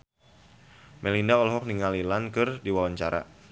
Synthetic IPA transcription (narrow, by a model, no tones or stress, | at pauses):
mɛlindaɔlɔɦɔk̚niŋalilankɨrdiwawaɲt͡ʃaɾa̰